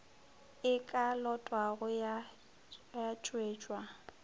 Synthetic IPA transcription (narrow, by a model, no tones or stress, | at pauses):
ɪkʼalɔtʼwaɣʊja | jat͡ʃʼweːt͡ʃʼwa